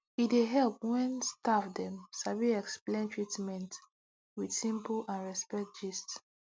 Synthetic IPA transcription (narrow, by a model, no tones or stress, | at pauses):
ideɦɛlp̚wɛ̃nstafdɛ̃msaviɛksplẽntʰɹitmɛ̃nt | widsĩmplʔãnɹɛspɛk̚d͡ʒist